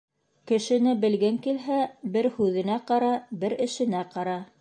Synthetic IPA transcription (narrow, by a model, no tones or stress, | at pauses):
kɘ̆ʃɘ̆nɘbɘ̆lɡɘŋkilɦæbɘɾhʉðɘ̆næqɑɾɑbɘɾɘ̆ʃɘ̆næqɑɾɑ